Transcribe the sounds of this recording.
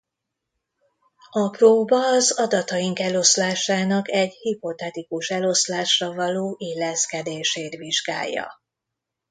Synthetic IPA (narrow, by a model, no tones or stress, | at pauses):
ɒproːbɒːzɒd̪ɒt̪ɒjiŋkɛlo̞slaːʃaːnɒkɛɟhipo̞t̪ɛt̪ikuʃɛlo̞slaːʃrɒvɒloːʔilːɛskɛd̪eːʃeːt̪ʋiʒɡa̰ːjːɒ̰